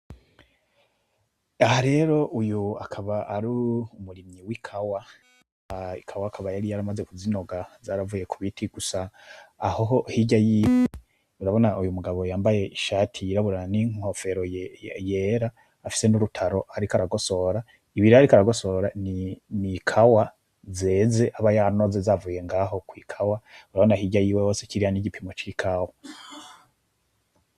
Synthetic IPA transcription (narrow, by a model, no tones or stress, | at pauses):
ahaɾe̞ːɾo̞ʔujuakʰaβaaɾuumuɾimɲiwikʰawa | ikʰawaːkʰaβajaɾijaɾamaze̞kuzino̞ɡazaːɾavuje̞kʰuβitʰiɡ̥usaːhoɦo̞hiɟajiːwe | uɾaβo̞naujumuɡaβo̞jaːmbaje̞iʃaːtʰijiɾaβuɾaniŋo̞fe̞ɾoje̞ːɾaː | fi̥se̞nuɾutʰaɾo̞aɾikaɾaɡo̞so̞ɾa | iβiɾihaɾikaɾaɡo̞so̞ɾaninikʰawa | ze̞ːze̞ʔaβajano̞zezavuje̞ŋɡaːɦo̞kwiːkʰawauɾaβo̞nahiɟajiːwe̞ho̞ːsekiɾihaniɟipʰimo̞t͡ʃikʰawa